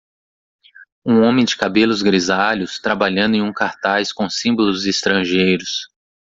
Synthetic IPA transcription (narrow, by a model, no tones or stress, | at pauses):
ũõmẽj̃d͡ʒɪkabelʊzɡɾizaʎʊst̪ɾabaʎɐ̃nd̪ʊẽj̃ũkaɾt̪ajskõsĩmbolʊzɪst̪ɾɐ̃ʒejɾʊs